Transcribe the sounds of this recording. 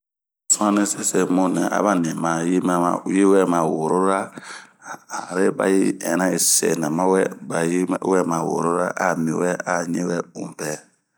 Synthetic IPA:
sã˦nẽ˦se˦sɛ˨mõ˦nɛ̰̃˨ʔa̰˨˦ba˦nẽ˨ma˨je˦ma˨˦je˦wɛ˦mã˨wo˨ɾo˦ɾa˦˨ | a˨ɾe˦ba̰˨ji˦ɛ̃˨nã˦e˨sɛ̰˨nã˨mã˦wɛ˦ba˨jwɛ˦mã˨wo̰˨ɾo˦ɾa˦ʔa˦mĩ˨wɛ˦a˨ɲḛ̃˦wɛ˦bũ˨m˨pɛ˨

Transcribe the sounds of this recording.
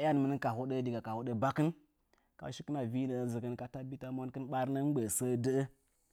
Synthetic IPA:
a˦n˨mə˦nə˦ka˨ho˦də˦di˨ɡa˨ka˨ho˦ɗə˦ba˦kɨ˦n | ka̰˨˦ʃi˦kə˦na˨vi˦nə˨zə˨kə˦n˦ka˨ta˦bi˦ta˦mo˦nkɨ˦nɓa˦ɾnə˦n˦ɡ͡bə˨sə˦də˦ə˦

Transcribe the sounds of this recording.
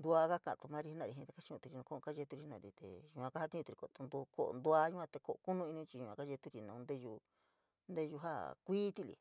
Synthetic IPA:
nd̪u˧a˧ka˦kã̰˨˧˨t̪u˧mã˦˧ɾi˧˦nã˧˨ɾi˧˨ɦĩ˧t̪e˧ka˦t͡ʃi˧˦ũ˧t̪i˧ɾi˧nũ˧kõ˦˧ka˦ʒe˧t̪u˧ɾi˧nã̰˧˨ɾi˧t̪ḛ˨jũ˧ã˧ka˦ha˧t̪ĩ˦˧t̪i˧i˧ko˨t̪o˧nd̪u˧ko˧˨ʔnd̪u˧a˧jũ˦kʷã˧t̪e˧ko˧ʔo˧ku˦nũ˦i˧nĩ˧˦t͡ʃi˧ɲũ˧ã˧ka˦ʒe˧t̪u˧ɾi˧nã˧˨ũ˧nd̪e˦ju˧ | nd̪e˦˧ju˧ɦa˦˨kʷiː˦t̪i˦˧lḭ˨

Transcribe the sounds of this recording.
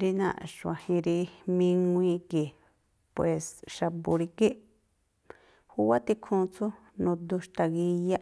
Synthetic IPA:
ɾi˧nã̰˧ʃã̰˨hĩ˧ɾi˧mĩ˧ŋʷ˧ĩ˦˧ki˨ | pwe˨sʃa˧bu˧ɾi˧ki˦ | hu˦wa˦t̪i˧kʰũː˧t͡su˦ | nũ˧d̪u˧ʃt̪a˧ɣi˧ja˦

